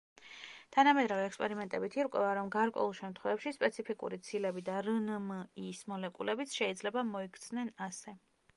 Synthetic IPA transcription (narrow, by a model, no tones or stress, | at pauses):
t̪ʰanamɛd̪ɾaviɛkspʼɛɾimɛnt̪ʼɛbit̪ʰiɾkʼwɛvaɾɔmɡaɾkʼwɛ̰ulˠʃɛmt̪ʰχwɛvɛpʃispʼɛt̪sʰipʰikʼṵɾit̪sʰilɛbid̪aɾənmismɔlɛkʼṵlɛbit̪sʰʃɛid̪zlɛbamɔikʰt̪sʰnɛnasɛ